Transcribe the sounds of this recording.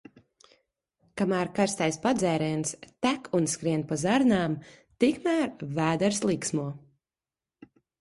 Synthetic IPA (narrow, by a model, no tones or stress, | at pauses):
kamæːɾkaɾst̪ajspad̪zɛːɾɛjnst̪ækʰunskɾiɛnpazaɾnaːm | t̪ikmæːɾvæːd̪ɛɾslˠiːksmuɔ